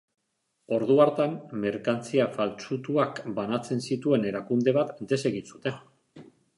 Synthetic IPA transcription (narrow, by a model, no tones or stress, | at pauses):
o̞ɾðuaɾt̪amme̞ɾkant͡siafalt͡ʃut̪uakbanat͡se̞nsit̪ue̞ne̞ɾakund̪e̞β̞at̪d̪e̞se̞ɣinsut̪e̞